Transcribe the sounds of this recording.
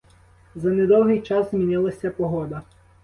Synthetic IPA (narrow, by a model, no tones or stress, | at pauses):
zɐnɛd̪ɔwɦɪjt͡ʃɑzzmʲinɪlˠɐsʲɐpɔɦɔd̪ɐ